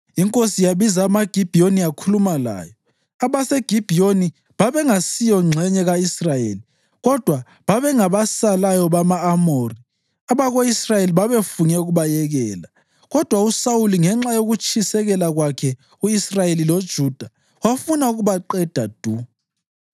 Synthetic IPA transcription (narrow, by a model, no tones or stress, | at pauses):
iŋkʼosijaβizaːmaɡ̥ʱib̥ʱioniakʰulumala̰ːjɔ | aβaseɡ̥ʱib̥ʱijoni | βaβɛŋasijɔŋ͡ǁʱɛɲɛɣaisrajḛːli | ɣɔd̥ʱwa | βaβɛŋaβasalajɔβamaːmori | aβaɣoisrajeliβaβefuɲɛuɣuβajɛɣɛːla | ɣɔd̥ʱwausauliŋɛŋ͡ǁajoɣut͡ʃʼʰisɛɣɛlaɣwakʰɛ | uisrajelilod̥ʒ̥ʱuːd̥ʱa | wafunauɣuβaǃɛd̥ʱad̥ʱu